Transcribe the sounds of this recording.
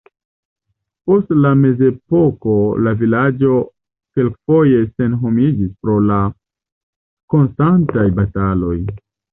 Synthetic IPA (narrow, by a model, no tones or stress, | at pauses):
po̞stlame̞ze̞po̞ko̞lavilad͡ʒo̞ | ke̞lkfo̞je̞se̞nɦo̞mid͡ʒispɾo̞la | ko̞nstantajbatalo̞j